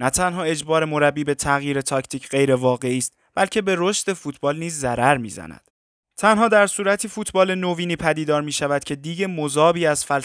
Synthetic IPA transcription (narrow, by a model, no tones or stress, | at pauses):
næt̪ʰænɦɒːe̞d͡ʒbɒːɾe̞mo̞ɾæbːiːbe̞t̪ʰæɣjiːɾe̞t̪ʰɒcʰt̪ʰiːcʰɢe̞jɾe̞vɒːɣe̞iːst̪̚ | b̥ælcʰe̞be̞ɾo̞ʃd̪̥e̞fuːt̪ʰbɒːlniːzːæɾæɾmḭːzæ̰næ̰d̪̥ | t̪ʰænhɒːd̪æɾsuːɾæt̪ʰiːfuːt̪ʰbɒːle̞noviːniːpʰæd̪iːd̪ɒːɾmiːʃævæd̪̥̚cʰe̞d̪iːɟe̞mozɒːbiːæz̥fæl